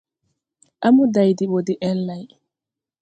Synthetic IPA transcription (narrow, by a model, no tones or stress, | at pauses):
ʔamudajdiɓodiʔɛlːaj